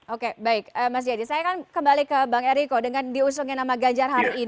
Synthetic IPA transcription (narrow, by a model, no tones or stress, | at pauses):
okebaɪk̚əmas̬d͡ʒadisajakankəmbalikəbaŋeɾikodəŋandius̬uŋɛnamaɡaɲd͡ʒarɦaɾiːn